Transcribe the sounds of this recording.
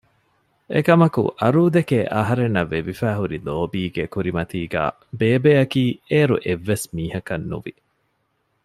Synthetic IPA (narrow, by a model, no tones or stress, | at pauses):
ḛkɐmɐkṵʔɐɾuːd̪ekeʔɐɦɐɾenːɐʋːeʋifæːɦuɾiloːbiːɡekuɾimɐt̪iːɡæ̰ː | beːbeːɐkiːeːɾṵʔeʋːesmiːhɐkɐnːṵʋḭ